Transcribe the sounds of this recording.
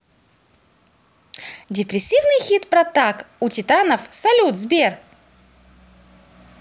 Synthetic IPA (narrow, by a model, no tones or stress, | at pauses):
dʲɪpɾʲɪsʲːivnɨjxʲit̪pɾɐt̪akutʲɪt̪anəfsɐlʲut̪zbʲer